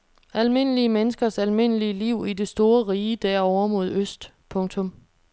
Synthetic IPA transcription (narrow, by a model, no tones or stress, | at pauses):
ælme̝n̰əliəmenəsɡ̥ɐsælme̝n̰əliəliʊ̰id̥e̝sd̥o̝ːɐʁiːəd̥æɐ̰ɒʊ̰ɐmo̝ð̞ˠøsd̥ | pʰɔ̽ŋt͡sʰɔ̽m